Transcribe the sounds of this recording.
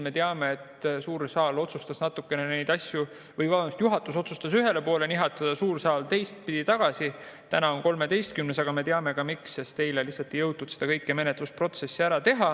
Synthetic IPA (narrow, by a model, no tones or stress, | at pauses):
me̞t̪eɑme̞ːt̪suːɾsɑːlo̞t̪sust̪ɑsnɑt̪ːˑukːˑe̞nene̞jd̪̥ɑsʲju | vɤjvɑlmust̪juɦɑt̪ːˑuso̞t̪sust̪ɑsyɦe̞le̞po̞ːle̞niɦɑt̪ːˑɑd̪̥ɑsuːrsɑːlt̪e̞jst̪̚pid̪̥it̪ɑɡ̥ɑsi | t̪ænɑonko̞lme̞t̪e̞jst̪̚kymnesɑɡ̥ɑme̞t̪eɑme̞kɑmiksest̪e̞jlelisɑt̪ːˑijɤwt̪ːud̪̥se̞d̪̥ɑkɤjkːˑeme̞net̪luspro̞t̪se̞sːiæɾɑt̪e̞ɦɑ